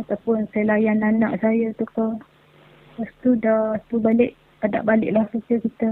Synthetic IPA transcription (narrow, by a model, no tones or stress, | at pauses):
at̪awpʊnsalajananaʔsajət̪ukə | past̪udat̪ubalɪʔ | ada̰ʔbalɪ̰ʔlahkət͡ʃəkit̪ə